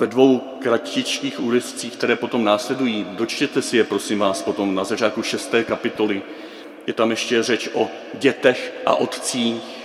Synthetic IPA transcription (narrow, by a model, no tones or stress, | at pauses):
vɛdvo̞w | kɾaccɪt͡ʃkiːxʔuːɾɛst͡siːxkt̪ɛɾɛːpo̞t̪o̞mnaːslɛdujiːdo̞t͡ʃcɛt̪ɛsɪjɛpɾo̞sɪmvaːspo̞t̪o̞mnazat͡ʃaːt̪̚kuʃɛst̪ɛːkapɪt̪o̞lɪ | jɛt̪amjɛʃcɛrɛt͡ʃʔo̞ | ɟɛt̪ɛxʔa̰ʔo̞t̪t͡siː